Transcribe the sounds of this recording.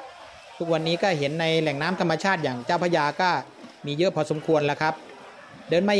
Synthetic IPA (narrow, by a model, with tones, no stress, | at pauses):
t̪ʰu˦˥k̚wa˧nːiː˦˥kɔː˥˩ɦe˩˦nːa˧jlɛ˨˩ŋnaː˦˥mt̪ʰa˧mːa˧t͡ɕʰaː˥˩t̪̚jaː˨˩ŋt͡ɕaː˥˩wpʰa˧˥jaː˧kɔː˥˩ | miː˧jɤ˦˥ʔpʰɔː˧so˩˦mkʰu˧ənla˧˩kʰɾa˦˥p̚ | dɤː˧nma˧